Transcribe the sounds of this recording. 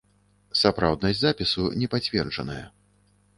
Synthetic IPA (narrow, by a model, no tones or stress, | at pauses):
sapɾawd̪nɐsʲzapʲisunʲɛpat͡sʲvʲɛrd͡ʐɐnɐ̰jɐ̰